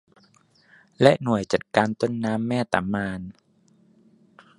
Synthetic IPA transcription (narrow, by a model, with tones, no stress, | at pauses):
lɛ˦˥ʔnu˨˩əjt͡ɕa˨˩t̪̚kaː˧nt̪o˥˩nːaː˦˥mːɛː˥˩t̪a̰˨˩˦mːaː˧n